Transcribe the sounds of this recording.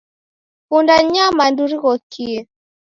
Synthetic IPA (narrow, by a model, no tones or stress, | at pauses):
fundaɲamanduɾiɣɔkiɛ